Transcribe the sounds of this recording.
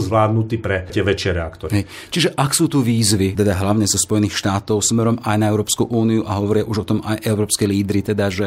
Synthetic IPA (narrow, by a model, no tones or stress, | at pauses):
zʋlaːd̪nut̪iːpɾɛtɪɛʋɛt͡ʃɪɛɾɛakt̪ɔɾɦɛj | t͡ʃiʒɛʔaksuːt̪uʋiːzʋit̪ɛd̪aɦlaʊɲɛzɔspɔjɛniːxʃt̪aːt̪ɔʊsmɛɾɔmajnaɛʊɾɔːpskuʔuːniuʔaɦɔʋɔɾɪaʔuʒɔt̪ɔmajʔɛʊɾɔːpskɛjliːd̪ɾit̪ɛd̪aʒɛ